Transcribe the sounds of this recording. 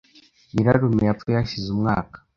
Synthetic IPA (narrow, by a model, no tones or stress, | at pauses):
iɾaɾumejafujaʃizumŋa̰ːkḁ